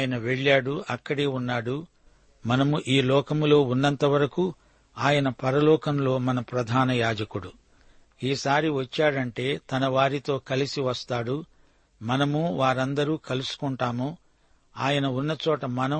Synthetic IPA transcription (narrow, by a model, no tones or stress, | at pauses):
jɐnɐʋe̞ɭːaːɽuʔɐkːɐɽeːunːaːɽu | mɐnɐmuʔiːlɔːkɐmlo̞ːunːɐnt̪ɐʋɐɾɐku | aːjɐnɐpɐɾɐlɔːkɐmlo̞ːmɐnɐpɾɐd̪ʱaːnɐjaːd͡ʒɐkuɽu | iːsaːɾiʋɐt͡ʃːaːɽɐɳʈe̞ːt̪ɐnɐʋaːɾit̪o̞ːkɐlisiʋɐst̪aːɽu | mɐnɐmuʋaːɾɐnd̪ɐɾuːkɐlusu̥kɔɳʈaːmu | aːjɐnɐunːɐt͡ʃɔːʈɐmɐnɐ